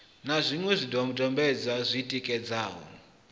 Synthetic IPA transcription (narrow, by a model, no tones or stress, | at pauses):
nazʷiŋwɛzʷidɔmudɔmbɛd͡zazʷiːtʼikʼɛd͡zaːɦɔ̰